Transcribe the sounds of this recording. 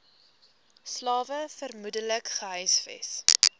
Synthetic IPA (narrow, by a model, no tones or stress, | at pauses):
slɑːvəfərmudələkχəɦœjsfɛ̰s